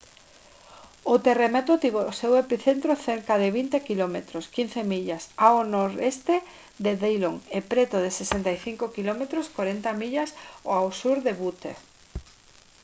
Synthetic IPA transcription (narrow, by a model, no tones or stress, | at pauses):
ot̪eremet̪ot̪iβosewepiθent̪ɾoθeɾkað̞eβint̪ekilomet̪ɾoskinθemiʎasawonoɾest̪e | ðeðejloŋepɾet̪oðesesent̪ajθiŋkokilomet̪ɾoskoɾent̪amiʎasoawsuɾðeβut̪ḛ